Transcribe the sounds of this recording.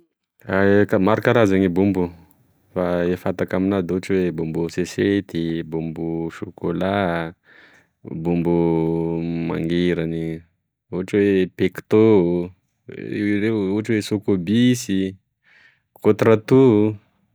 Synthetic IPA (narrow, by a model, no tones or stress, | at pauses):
akamaɾakaɾazaɲibumbu | faefat̪akaminad̪uɦaʈ͡ʂwebumbuseset̪ibumbuʃokola | bumbu | ma̰ŋɡeɾani | uɦaʈ͡ʂwepekt̪o | reuaʈ͡ʂwesokobisi | kot̪ɾat̪u